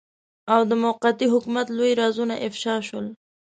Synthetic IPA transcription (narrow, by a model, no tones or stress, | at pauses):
awd̪əmʊqat̪iɦʊkumat̪lojiɾɑzunaʔɪfʃɑʃəl